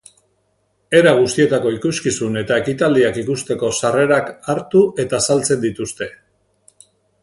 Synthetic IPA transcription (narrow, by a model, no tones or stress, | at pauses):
e̞ɾaɣ̞ust̪ie̞t̪ako̞ikuskisune̞t̪ae̞kit̪ald̪iakikust̪e̞ko̞sare̞ɾakaɾt̪uʔe̞t̪asalt͡se̞nd̪it̪ust̪e̞